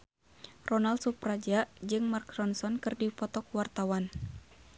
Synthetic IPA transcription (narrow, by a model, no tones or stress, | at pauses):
rɔnald̪̚suprad͡ʒaʔd͡ʒɨŋmarkrɔnsɔnkɨrdipɔt̪ɔkwart̪awan